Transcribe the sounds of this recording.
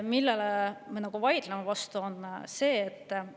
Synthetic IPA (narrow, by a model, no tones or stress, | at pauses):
milːeleme̞nɑɡ̥uvɑjd̪̥lemevɑst̪uo̞nse̞ːt̪ː